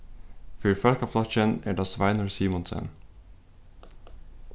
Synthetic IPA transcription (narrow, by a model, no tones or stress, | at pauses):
fʏɾfœlkɑflɑʃənæːɖɑːsʋɑɪnəɹsiːmɔnsə̰n